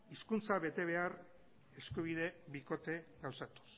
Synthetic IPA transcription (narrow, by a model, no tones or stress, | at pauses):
iskunt͡saβe̞t̪e̞β̞e̞ar | e̞skuβ̞iðe̞βiko̞t̪e̞ɡawsat̪u̥s